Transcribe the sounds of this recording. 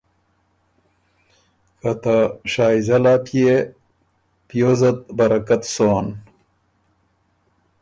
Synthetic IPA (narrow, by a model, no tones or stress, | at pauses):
kɐt̪aʂaːizɐlapʰje | pijozɐt̪̚bɐɾɐkat̪soːn